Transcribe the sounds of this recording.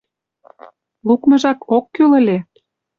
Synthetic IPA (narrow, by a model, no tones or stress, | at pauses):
lukmɤ̆ʒɑkokːylə̆lʲe